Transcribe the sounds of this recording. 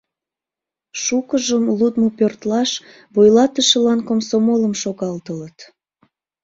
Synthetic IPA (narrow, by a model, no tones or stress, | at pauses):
ʃukəʒəmlud̪mopørt̪lɑʃ | βojlɑt̪əʃəlɑnkomsomoləmʃoɣɑlt̪ələt̪